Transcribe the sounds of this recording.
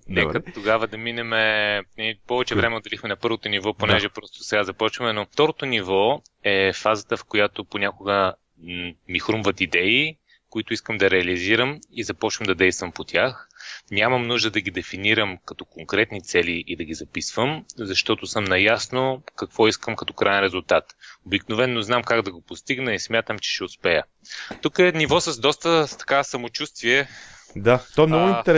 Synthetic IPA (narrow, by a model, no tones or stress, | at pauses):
nɛkət̪oɡavəd̪ɐminɛmɛnpɔvɛt͡ʃɛvɾɛmɛod̪ɛlixmɛnɐpɤɾvot̪onivɔponɛʒɛpɾɔst̪o̥sɛɡazɐpɔt͡ʃvəmɛnoft̪ɔɾot̪onivɔ | ɛfazət̪əfkojat̪oponʲakʊɡə | mixɾumvət̪id̪ɛi | kʊit̪ʊiskəmd̪ɐɾɛɐliziɾəmizɐpɔt͡ʃvəmd̪ɐd̪ɛjst̪vəmpot̪ʲjaxnʲamɐmnuʒd̪əd̪ɐɡid̪ɛfiniɾəmkɐt̪ɔkoŋkɾɛt̪nit̪sɛliʔid̪ɐɡizɐpisvəmzɐʃt̪ɔt̪ʊsɤmnɐjasnokɐkv̥ɔiskəmkɐt̪ɔ̥kɾajɛnɾɛzulˠt̪at̪obiknovɛnːoznamkaɡd̪ɐɡopost̪iɡnəismʲjat̪əmt͡ʃɛ̥ʃɛʊspɛjə | t̪ukɛnivɔsəzd̪ɔst̪ət̪ɐ̥kasɐmot͡ʃust̪viɛd̪at̪ɔnɔɡʊĩt̪ɛɾ